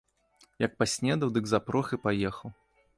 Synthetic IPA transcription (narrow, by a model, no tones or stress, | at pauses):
jɐk̚pasʲnʲɛd̪ɐwd̪ɨɡzapɾɔxɨpajɛxɐw